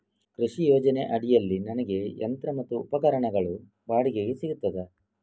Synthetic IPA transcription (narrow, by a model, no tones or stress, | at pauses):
kɾiʂijoːd͡ʒɐne̞ʔɐɽijɐlːinɐnɐɡe̞ɐ̰nt̪ɾɐmɐt̪ːuːpɐkɐɾɐɳɐɡɐɭu | baːɽiɡeɡesiɡut̪ːɐd̪e